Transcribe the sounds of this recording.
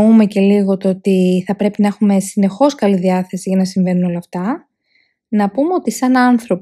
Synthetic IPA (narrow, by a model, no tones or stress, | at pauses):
ume̞ce̞liɣo̞t̪oot̪iθɐpɾe̞pinɐexume̞sine̞xo̞skɐliðiɐθe̞siʝɐnɐsiɱve̞nuno̞lɐːft̪ɐ | nɐpumeo̞t̪isɐnɐnθɾo̞p